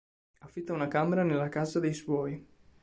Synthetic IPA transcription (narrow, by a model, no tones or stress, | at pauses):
afːit̪ːaunakameɾanelːakazad̪ejswɔj